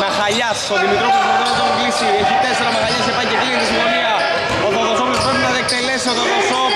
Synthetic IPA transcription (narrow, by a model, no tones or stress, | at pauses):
mexɐʎɐsoðimit̪ɾoposuðonɐt̪oŋɡlisieçit̪eseɾɐmexɐʎɐsepɐɟet̪iliɐt̪isiɱfo̞niɐ | oðoðosopospɾepinɐðek̚t̪elesioðoðosop